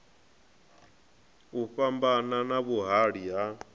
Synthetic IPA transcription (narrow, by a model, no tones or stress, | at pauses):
uɸambananaβuɦaɺiɦa